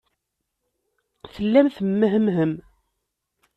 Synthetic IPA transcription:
θəlːæmθəmːəɦəmɦəm

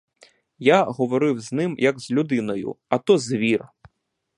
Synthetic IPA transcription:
jaɦɔʋɔɾɪwznɪmjʔɐɡzlʲud̪ɪnɔjʊ̰ɐt̪ɔzʋʲir

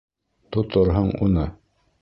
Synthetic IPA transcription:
t̪ŏt̪ɤɾɦɤɴṵnɤ

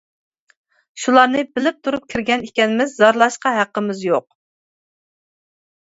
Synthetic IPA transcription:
ʃulˠɑɾnɨbɪlɪp̚t̪ʰuɾup̚kʲʰiɾɡʲɛnikʲɛnɪmɪzːɑɾlˠɑʃqɑɦæqːəmɪzjoq̚

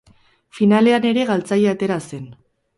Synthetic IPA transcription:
finale̞ane̞ɾe̞ɣalt͡sajeat̪e̞ɾase̞n

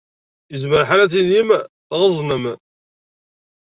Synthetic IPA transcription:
əzməɾħalæt͡sinimθʁəzˤnəm

